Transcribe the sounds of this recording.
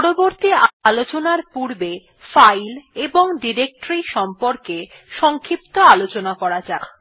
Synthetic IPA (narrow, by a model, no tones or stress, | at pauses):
pɔɽoboɾt̪ialot͡ɕonaɾpuɾbe | fajleboŋɖiɾek̚ʈɾiʃɔmpoɾke | ʃɔŋkʰipt̪oalot͡ɕonakɔɾad͡ʑa